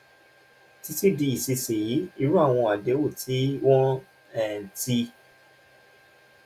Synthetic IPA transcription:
ti˧ti˦di˧i˨si˧si˨ji˨˦i˧ɾu˦a˦˨w̃ɔ̃˧a˨de˨˦wo˦˨tʰi˨˦wɔ̃˦ | ɛ˨n̩˨ti˧

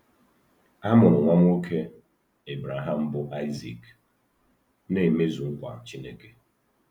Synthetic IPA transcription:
a˦mʊ˨ɾʊ˨ŋʷa˦m˦o˦kʰe˦ | e˨bɾa˨ɦa˦m̩˦bʊ˦ʔa˦ɪ˦zḭ˨k | ne˦˨me˦zu˨ŋ̩˦kʷa̰˨t͡ʃi˦ne˦ke˨

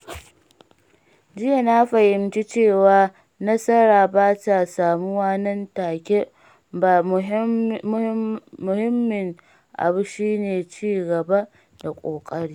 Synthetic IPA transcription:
d͡ʒɪ˦ja˨na˦ɸɐ˨jɪ˨mt͡ʃi˦t͡ʃeː˦˨waː˦ | nɐ˦sɐ˦ɽaː˨baː˦ta˨saː˨mu˦waː˦nɐ˦ntaː˨kʲe˦ | baː˨˦ | mʊ˨hɪ˦mːɪ˨ŋ | ʔa̰˨bu˦ʃiː˦neː˨t͡ʃiː˦˨ɡɐ˨ba˦ | da˨kʷʼoː˨kʼɐ˦ɽiː˦

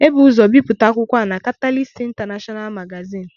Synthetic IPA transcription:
e˦bu˦zɔ˨bi˦pʊ˨ta˨˦kʷʊ˦kʷa˦˨na˨ka˦ta˦li˦si˦n̩˦ta˨na˦ʃɔ˦na˦lma˨ɡa˨zi˦˨n̩˨

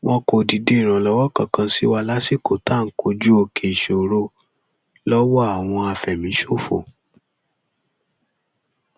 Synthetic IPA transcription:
wɔ̃˧ko˨di˨de˨˦i˨ɾ̃ã˨lɔ˨˦wɔ˦kã˦˨kã˧si˦wa˧la˦si˦˨ko˨ta˦˨ŋ̩˦ko˧d͡ʒu˦o˧kʰe˨ʃo˨ɾo˧ | lɔ˦wɔ˦a˨w̃ɔ̃˧a˨fɛ˨mĩ˨˦ʃo˦˨fo̰˨

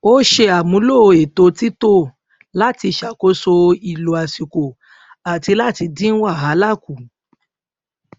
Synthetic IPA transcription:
o˦ʃe˧a˨mũ˨˦lo˦˨˧e˨to˨˧ti˦to˦ | la˦ti˧ʃa˨ko˨˦so˧i˨lo˨a˨si˨ko˨ | a˨ti˧la˦˨ti˧dĩ˦n̩˦wa˦˨ɦa˨˦la˦˨ku˨

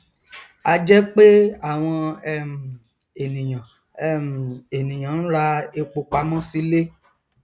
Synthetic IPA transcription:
a˧d͡ʒɛ˦k͡pe˦a˦˨w̃ɔ̃˧ɛ˦˨m˨ | e˨nĩ˨j̃ã˨ | ɛ˦m˨e˨nĩ˨j̃ã˨˦ñ̩˦ɾa˧e˧k͡po˨˧k͡pa˧mɔ̃˦si˦le˦

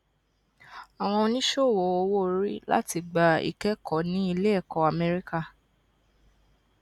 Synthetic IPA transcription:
a˨w̃ɔ̃˧o˧nĩ˦ʃo˦˨wɔ˨o˧wo˦ɾi˦la̰˦ti˧ɡ͡ba˧ḭ˨kɛ˦kʰɔ˨˦nĩ˨˦i˧le˦ɛ˦˨kɔ˨˦a˨mɛ˦ɾi˦ka˦˨

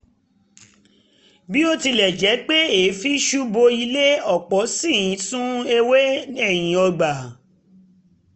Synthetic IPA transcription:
bi˨˦o˦ti˧lɛ˨d͡ʒɛ˨˦k͡pe˦e˨˦fi˦ʃu˦bo˧i˧le˦ɔ˦˨k͡pɔ˨˦si˦˨jĩ˨˦sũ˦e˧we˦ɛ˦˨j̃ĩ˨˦ɔ˧ɡ͡ba˨

